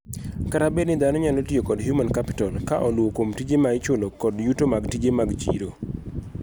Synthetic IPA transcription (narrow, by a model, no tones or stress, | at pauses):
kaɾabednɪd̪anɔɲalotjokɔdɦjumankapɪ̥tɔlkaʔɔlwokomtid͡ʒemaɪt͡ʃolokɔdjutomaɡtid͡ʒemaɡt͡ʃḭɾo